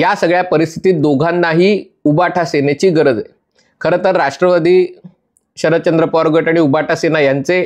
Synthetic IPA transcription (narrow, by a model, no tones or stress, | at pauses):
jasəɡɭjapəɾist̪ʰi̥t̪iːt̪̚d̪oɡʱanːaɦiː | ubaʈʰasenet͡ɕiːɡəɾəd͡ze | kʰəɾət̪əɾːaʂʈɾəʋad̪ʱiː | ɕəɾət̪̚t͡ɕənd̪ɾəpɔɾɡəʈaɽ̃iubaʈʰasenajant͡se